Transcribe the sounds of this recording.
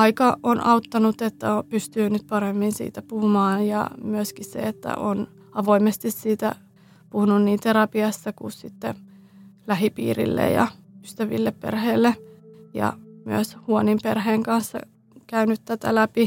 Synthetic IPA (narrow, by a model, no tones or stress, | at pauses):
ɑikɑonɑut̪ːɑnut̪et̪ːæopyst̪yːnyt̪̚pɑɾemːinsḭːt̪æpuhumɑːnjɑ̰myøskissḛet̪ːæ̰ʔon | ɑʋoimest̪issiːt̪æ̰ | puhununniːnt̪eɾɑpiɑsːɑkṵssit̪ːḛ | læɦipḭːrḭlːḛjɑ̰yst̪æʋḭlːeppḛrheːlːejɑ̰myøshuonimperheːŋkɑnsːɑ̰ | kæynyt̪t̪æt̪æ̰læpi